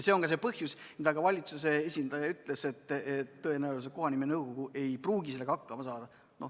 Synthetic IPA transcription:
se̞o̞ŋkɑs̬e̞pɤhjusmid̪ɑɡɑvɑlʲit̪suseesʲind̪̥ɑjɑyt̪ːˑlese̞t̪ːet̪ːɤe̞næwlseko̞ɦɑnimenɤwɡ̥o̞ɡ̥ue̞jpruːɡise̞lːe̞ɡɑhɑkːɑmɑsɑːd̪̥ɑ | no̞

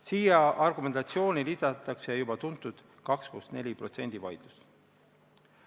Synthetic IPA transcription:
siːjɑʔɑrɡume̞nɑt̪sio̞ːnilisɑt̪ːˑɑksejubɑt̪unt̪ːˑud̪̥ | kɑkspust̪ne̞lʲipro̞t̪se̞̰nʲd̪̥ivɑ̰jd̪̥lus

